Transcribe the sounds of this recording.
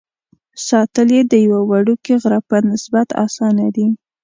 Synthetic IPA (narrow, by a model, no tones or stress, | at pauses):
sɑt̪əljed̪əjawawaɽukeɣɾapənɪsbat̪ɑ̰sɑnad̪i